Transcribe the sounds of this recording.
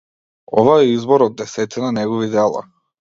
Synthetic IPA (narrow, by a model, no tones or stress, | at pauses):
ɔ̰vaɛizbɔɾɔd̪ːɛsɛt̪ɛnanɛɡɔvid̪ɛlˠa̰